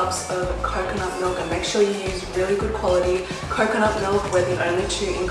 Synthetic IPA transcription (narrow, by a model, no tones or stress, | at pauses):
psʌvkʰɑɹkənɑp̚mɪlˠkə̃nmeɪkʃʊɹjɨhɪzɹɪlˠiɡʊd̚kʰw̥ɑlˠəɾi | kʰɑɹkɨñɑp̚mɪlˠkwəðĩʔə̃ʊ̃nlitʰɨɪ̃nk